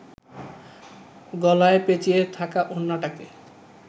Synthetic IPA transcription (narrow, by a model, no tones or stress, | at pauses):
ɡɔlaepet͡ɕiet̪ʰakaʔonːaʈake